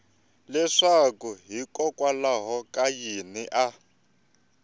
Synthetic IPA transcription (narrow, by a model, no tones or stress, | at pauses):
lɛʂakuɦikɔkʼwalaɦɔkʼajiniʔa